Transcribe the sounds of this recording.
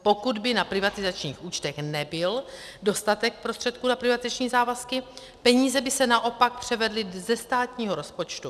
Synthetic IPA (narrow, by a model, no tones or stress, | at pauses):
po̞kud̪bɪnapɾɪvat̪ɪzat͡ʃɲiːxʔuːt͡ʃt̪ɛxnɛbɪl | do̞st̪at̪ɛk̚pɾost̪r̥ɛt̪̚kuːnapɾɪvat̪izat͡ʃɲiːzaːvaskɪ | pɛɲiːzɛbɪsɛnaʔo̞pak̚pr̝̥ɛvɛdlɪzɛst̪aːt̪ɲiːɦoɾo̞spo̞t͡ʃt̪u